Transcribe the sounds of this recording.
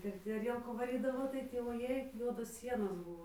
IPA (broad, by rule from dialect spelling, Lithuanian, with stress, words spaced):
ɪr tʲɪ ɐˈrʲiɛlˠkuː ʋɐˈrʲiːdɐʋoː tɐɪ ˈtʲiː ʋoːˈjeːɪ ˈjuɔdoːs ˈsʲiɛnoːs ˈbʊʋoː